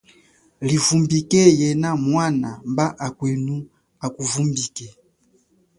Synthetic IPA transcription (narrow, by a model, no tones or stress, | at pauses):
livumbikɛjɛnamwanambaʔakwenu | akuvumbikɛ